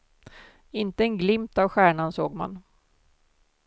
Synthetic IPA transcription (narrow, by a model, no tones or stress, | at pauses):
ɪnt̪əɛnɡlɪmt̪avɧæːɳansoːɡma̰n